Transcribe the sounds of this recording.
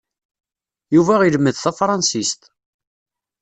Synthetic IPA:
juvæʁiləmːəðθæfɾˤɑnsist̪

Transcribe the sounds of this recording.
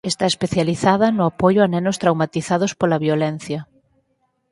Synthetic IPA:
est̪aespeθjaliθaðɐnʊapojʊanɛnʊst̪ɾawmat̪iθað̞ʊspolɐβjolɛn̟θjɐ

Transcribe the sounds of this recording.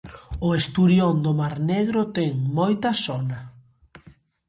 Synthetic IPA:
ʊest̪uɾjɔnd̪ʊmaɾneɣɾʊt̪ɛŋmojt̪ɐsɔnɐ

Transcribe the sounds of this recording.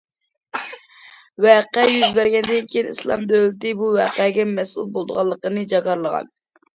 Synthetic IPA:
wɛqɛjyzbæɾɡʲɛnd̪ɪnkʲʰejinislˠɑ̰md̪ølɪt̪ɪbuwɛːqɛɡʲɛmɛsṵlˠbolˠd̪əʁɑlˠːəqənɨd͡ʒɑkɑɾlˠəʁɑ̰n

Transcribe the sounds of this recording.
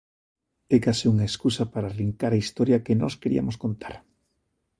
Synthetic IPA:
ɛkasiuŋaeskusapaɾariŋkaɾaist̪ɔɾjɐkenɔ̰skeɾḭɐ̰moskont̪aɾ

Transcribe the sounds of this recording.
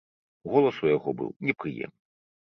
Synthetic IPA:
ɣɔlˠɐsujaɣɔbɨ̰wnʲɛpɾɨjɛ̰mnɨ

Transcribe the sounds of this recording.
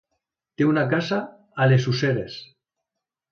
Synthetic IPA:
t̪eunakasa | alesuseɾes

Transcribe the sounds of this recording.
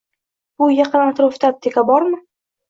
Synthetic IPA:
b̥ʊjɑqɨnant̪ɾoft̪ap̚t̪ʰekʰʲabɒɾmɪ

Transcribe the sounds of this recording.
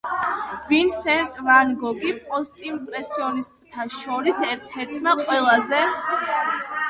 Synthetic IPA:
vinsɛnt̪ʼvanɡɔɡipʼɔst̪ʼimpʼɾɛsiɔnist̪ʼt̪ʰaʃɔɾisɛɾt̪ʰɛɾt̪ʰmaqʼwɛlˠazɛ

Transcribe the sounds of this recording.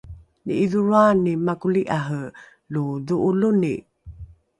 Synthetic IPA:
nḭiðuɾuanimakuliʔaɦə | luðuʔulunḭ

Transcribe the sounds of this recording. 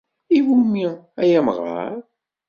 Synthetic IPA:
iwumi | æjæməʁa̰ɾ

